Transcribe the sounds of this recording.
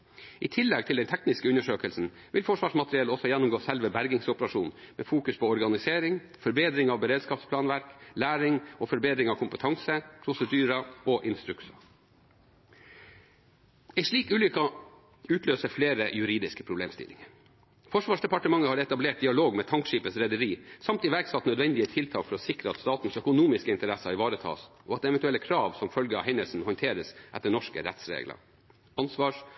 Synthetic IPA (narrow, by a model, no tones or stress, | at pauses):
ʔiːt̪ʰɪlːɛɡ̚t̪ʰɪld̪ɛnt̪ʰɛknɪskəʉnːəʂøːkəlsn̩ | ʋɪlfɔʂʋɑːʂmɑt̪ɾɪɛləɔsɔjɛnːʊmɡoːsɛlʋəbæɾɡɪŋsʊpəɾɑʂuːnmḛːfuːkʉspʰɔɔɾɡɑnɪseːɾɪŋ | fɔɾbeːd̪ɾɪŋɑʋbəɾeːd̪skɑːpspʰlɑːnʋæɾklæːɾɪŋɔfɔɾbeːd̪ɾɪŋɑʋkʰʊmpət̪ʰɑŋsəpʰɾʊsəd̪yːɾɑɔʔɪnst̪ɾʉksɑ | ɛɪʂɭiːkʉːlʏkɑ | ʉːt̪ʰløːsəfleːɾəjʉɾiːd̪ɪskə̥pʰɾʊblḛːmst̪ɪ̰lːɪŋəɾ | fɔʂʋɑːʂd̪ɛpɑʈəmɑŋəhɑːɾɛt̪ɑbleːʈ̚d̪ɪɑloːɡmeːt̪ʰɑŋkʂiːpəsɾɛd̪əɾiːsɑmt̪ɪʋæɾɡsɑt̪nœd̪ʋɛnd̪ɪət̪ʰɪlt̪ʰɑːkfɔɾɔːsɪkɾəɑt̪st̪ɑːt̪n̩sœkʊnuːmɪskəɪnt̪əɾæsɑɪʋɑːɾət̪ʰɑ̰ːsʔɔɑt̪ːɛʋɛt̪ʉɛlːəkʰɾɑːʋsɔmfœlɡəɑ̰ɦɛɪnəlsn̩hɔnt̪ʰeːɾəsʔæt̪ːənɔʂkə̰ɾɛ̰t̪sɾḛːɡlə̰ | ɑnsʋɑːʂ